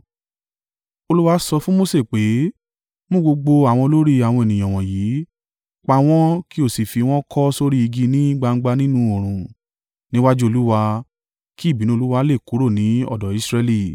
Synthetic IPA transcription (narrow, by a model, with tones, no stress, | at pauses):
o˧lu˦wa˧sɔ˧fũ˦mo˦se˦˨k͡pe˨˦ | mõ˦˨ɡ͡bo˧ɡ͡bo˧a˨w̃ɔ̃˧lo˦ɾi˦a˨wɔ̃˧e˨nĩ˨j̃ɔ̃˨w̃ɔ̃˨jiː˨˦ | k͡pa˧w̃ɔ̃˦ki˦o˦˨si˨fi˧w̃ɔ̃˦kʰɔ˦so˦ɾi˦i˧ɡi˧˦nĩ˦ɡ͡ba˧ŋ̩˦ɡ͡ba˧nĩ˦nũ˧˦o˨ɾ̃ũ˨ | nĩ˨˦wa˦d͡ʒu˦o˧lu˦wa˧ | ki˦˨bi˨˦nĩ˦o˧˦u˦wa˧˦le˦˨ku˨˦ɾo˦˨nĩ˨˦ɔ̰˦˨dɔ˨˦i˦sɾɛ˧li˦˨